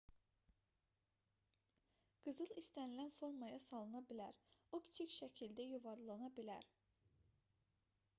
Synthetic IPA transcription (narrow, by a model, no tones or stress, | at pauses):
ɡ̥ɯzɯlˠist̪ænilænfo̞ɾmɑjɑsɑlˠɯnɑbilæɾukʲʰi̥t͡ʃʰicʲʃæcʰild̪æjuvɑɾlˠɑnɑbilæ̰ɾ